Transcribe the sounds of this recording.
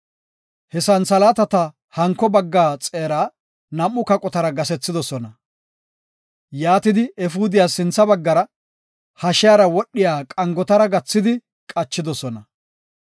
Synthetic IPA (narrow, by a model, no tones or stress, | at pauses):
hɛsɐnsɐlaːt̪ɐt̪ɐ | hɐŋkːɔbɐɡːaːt͡sʼe̞ːɾaː | nɐmːʊkɐkʼɔt̪ɐɾɐɡɐsɛt͡sːɪd̪ɔsɔnɐ | jaːt̪ɪd̪ɪɛfuːd̪ɪjaːsːɪnt͡sːɐbɐɡːɐɾɐ | hɐʃjaːɾɐwɔɗːɪjaːkʼɐŋɡɔt̪ɐɾɐɡɐt͡sːɪd̪ɪ | kʼɐt͡ʃːɪd̪ɔsɔnɐ